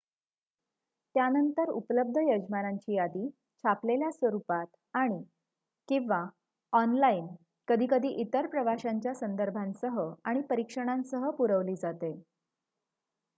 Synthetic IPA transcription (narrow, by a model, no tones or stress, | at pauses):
t̪janənt̪əɾṵpləb̚d̪ʱəjəd͡ʑmaɾaɲt͡ɕiːjad̪iː | t͡ɕʰapleljasʋəɾupat̪ | aɽ̃i | kĩʋa | ɔnlaiːn | kəd̪ʱiːkəd̪ʱiːʔit̪əɾpɾəʋaɕaɲt͡ɕjasənd̪əɾbʱãnsəɦəaɽ̃ipəɾikʂəɽ̃ãnsəɦəpuɾəʋliːd͡zat̪e